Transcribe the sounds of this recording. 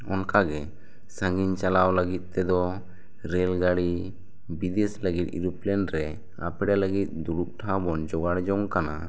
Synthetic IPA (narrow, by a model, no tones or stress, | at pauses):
ɔnkaɡɛ | sə̃ŋɡiɲt͡ʃalawləɡit̪̚ˀt̪ɛd̪ɔ | ɾɛlɡaɽi | bid̪ɛsləɡit̪̚ḭɾuplɛnɾɛ | a̰pɛɽaləɡit̪̚d̪uɽup̚ʈʰabɔnd͡ʒɔɡaɽd͡ʒɔŋkana